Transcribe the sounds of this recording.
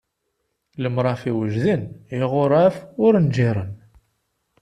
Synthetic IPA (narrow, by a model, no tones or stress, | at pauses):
ləmɾˤɑfiwəʒðəniʁʊɾˤafʊɾnd͡ʒiɾˤən